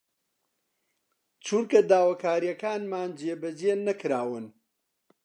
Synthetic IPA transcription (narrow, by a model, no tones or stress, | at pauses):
t͡ʃʰuɾkɐd̪aːwakaːɾijɐkaːnmaːnd͡ʒeːbɐd͡ʒeːnɐkɾaːwɨn